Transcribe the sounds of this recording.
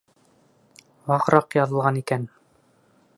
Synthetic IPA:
wɑʁɾɑqjɑðɤ̆lˠʁɑnikæn

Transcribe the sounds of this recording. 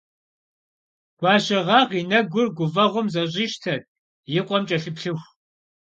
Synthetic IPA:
ɡ̥ʷɑːɕɐʁɑːʁiːnɐɡʷʊrɡʷʊvɐʁʷʊmzɐɕ̬ʼiʃtʰɐr | jɪqʷʼɔmt͡ʃʼɐɬɨpɬɨxʷ

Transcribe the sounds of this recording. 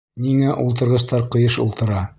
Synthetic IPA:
niŋæʔulˠt̪̬ɤ̆ɾʁɤ̆s̬t̪ɑɾqɤ̆jɤʃṵlˠt̪ɤ̆ɾɑ

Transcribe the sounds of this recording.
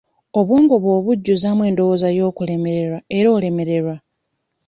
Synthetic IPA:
o̞βoːŋɡoβo̞ːβuɟːuzamwe̞ːndo̞wozajo̞ːkule̞me̞ɾe̞ɾae̞ɾoːle̞me̞ɾe̞ɾwa

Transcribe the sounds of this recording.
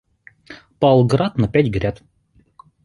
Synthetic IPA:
pɑlˠɡɾɑt̪nɐpʲætʲɡɾʲæt̪

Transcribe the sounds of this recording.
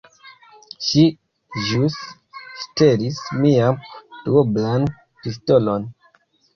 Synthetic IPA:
ʃi | ʒus | steɾismiamtuoblan | pistolo̞n

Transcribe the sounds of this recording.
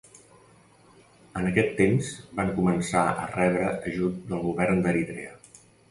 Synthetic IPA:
ənəkɛt̪ːemzbaŋkumənsaə̰rɛβɾəəʒut̪̚d̪əlˠɣuβɛrnd̪əɾit̪ɾḛə

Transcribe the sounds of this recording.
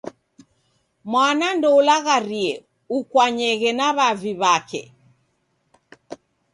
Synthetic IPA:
mwanandɔulaɣaɾiɛ | ukwaɲɛɣɛnaβaviβakɛ̰

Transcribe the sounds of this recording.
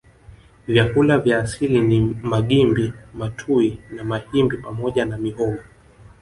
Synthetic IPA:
vjakulavjaːsilinimaɠimbimatʰuinamahimbipamɔʄanamihɔɡu

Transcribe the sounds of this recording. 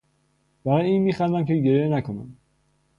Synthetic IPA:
b̥æɾɒːjiːnmiːxænd̪æmcʰeɟeɾjenækʰonæ̰m

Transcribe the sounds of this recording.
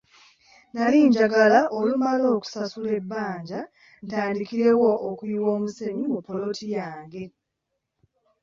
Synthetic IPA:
naliːɲɟaɡalaʔolumalo̞ːku̥sasule̞bːaːɲɟa | ntaːndikiɾe̞woʔːkuiwo̞ːmuse̞mimupːo̞lo̞tʰijaːŋɡe̞

